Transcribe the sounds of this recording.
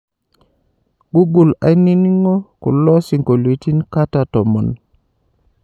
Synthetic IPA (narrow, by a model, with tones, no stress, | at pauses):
ɡu˦ɡu˨la̰˨jni˦ni˦ŋo˦kṵ˨lɔ˦si˨ŋko˨li˨ti˦nka˦ta˨tɔ˨mɔ˨n